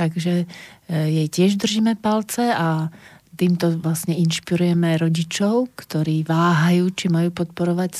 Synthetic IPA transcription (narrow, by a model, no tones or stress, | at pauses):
t̪aɡʒɛ | jɛjcɪɛʒd̪r̩ʒiːmɛpalt͡sɛat̪iːmt̪ɔʋlasɲɛinʃpiɾujɛmɛɾɔɟit͡ʃɔʊkt̪ɔɾiːʋaːɦajuːt͡ʃimajuːpɔt̪pɔɾɔʋac